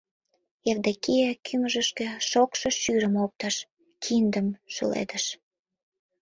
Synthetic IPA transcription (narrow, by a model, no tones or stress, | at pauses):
erd̪ekijekʰyməʒə̆ʃkĕʃokʃɤ̆ʃyɾəmop̚t̪ɑʃ | kʰind̪əmʃə̰lḛd̪əʃ